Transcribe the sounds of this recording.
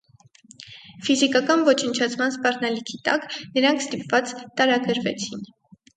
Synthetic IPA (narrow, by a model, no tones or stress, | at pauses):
fizikɑkɑnvɔt͡ʃʰənt͡ʃʰɑt͡sʰmɑnspɑrnɑlikʰit̪ɑknəɾɑŋkʰst̪ipvɑt͡st̪ɑɾɑɡəɾvɛt͡sʰin